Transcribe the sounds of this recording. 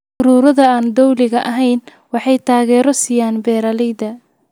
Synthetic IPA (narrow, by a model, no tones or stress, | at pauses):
ʊɾuːɾɐðɐaːnd̪ɔwlɪɣɐʔɐɦɛjn | wɑħɑjt̪ʰaːɣɛːɾɔsɪjaːnbɛːɾɐlɛjd̪ɐ